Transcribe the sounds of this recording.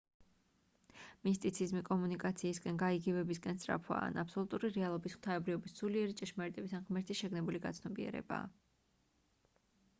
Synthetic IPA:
mist̪ʼit̪sʰizmikʼɔmunikʼat̪sʰiːsɡʼɛnɡaiɡivɛbiskʼɛnst̪ʼɾa̰pʰwa̰ːnapsɔlˠut̪ʼuɾiɾɛalˠɔbisχt̪ʰaɛbɾivɔbissuliɛɾit͡ʃʼɛʃmaɾit̪ʼɛbisanʁmɛɾt̪ʰisʃɛɡnɛbuliɡa̰t̪sʰnɔbiɛ̰ɾɛ̰ba̰ː

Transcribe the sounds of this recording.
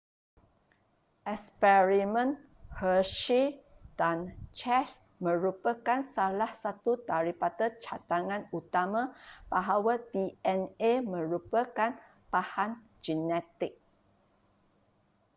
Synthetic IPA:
ʔɛspɛɹimə̃n | həʃi | d̥ant͡ʃɛs | mə̃ɾupəkansalahsat̪ut̪aɾipat̪ət͡ʃat̪aŋãnut̪amãb̥aɦawadiɛnemə̃ɾupəkan | pahan | d͡ʒinɛt̪ɪk̚

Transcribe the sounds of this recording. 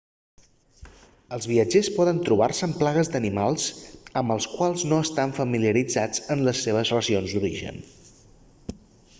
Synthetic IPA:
əlˠzβiəd͡ʒespɔðənt̪ɾuβarsəːmplaɣəzd̪ənimalˠz̥əmbəlˠskwalˠznoəst̪aɱfəmiliəɾid͡zad͡zənləsːeβ̞əzrəzionzd̪uɾiʒə̰n

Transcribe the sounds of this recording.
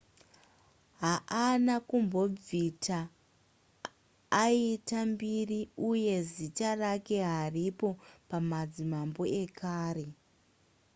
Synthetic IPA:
ɦaʔanakumbo̞b͡vitʰa | iitambiriuje̞zitarake̞ɦaripo̞pamad͡zimambo̞e̞kʰaːre̞

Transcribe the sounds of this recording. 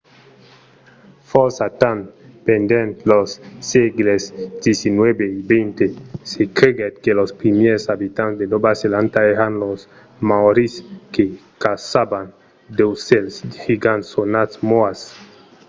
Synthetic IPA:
foɾsat̪anpend̪ent̪losːeɡlesd̪jesinwebeibejnt̪esekɾeɡet̪kelospɾimeɾsabit̪ansd̪edobaselant̪aehanlos | maoɾiskekasaban | d̪ewselsd̪hiɡansonat̪smoas

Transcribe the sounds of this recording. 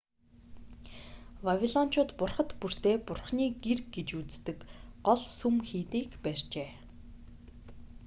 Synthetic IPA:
wawʲiɮɔn̥t͡ɕʊːt̪pʊrχə̆t̪pur̥t̪eːpʊrχniːɡirɡɡet͡ɕut͡st̪ɘ̆kɢɔɮsumxiːt̪iːkpær̥ʲt͡ɕeː

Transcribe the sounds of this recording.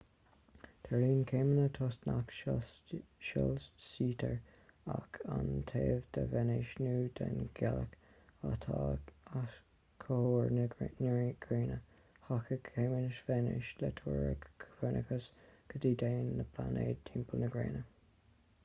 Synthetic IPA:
d̪̥əliːnkʰeːmənət̪ʰɔːstnakʃ | ʃɔlsiːt̪ʰəɹakʰant̪ʰeːvd̪əvɛnɪʃnuːd̪̥ɛnɡ̥ɛlək | at̪ʰaa | kʰoɹnɹɡ̥ɹeːnə | hakəkʰemənɪʃvɛnɪʃlɛt̪ʰuːɹə̰ɡʰwɛnʔə̰kəsɡ̥əd̪iːd̪eːnːəpʰlaneːd̚t̪ʰimpəlnəɡɹeːnə

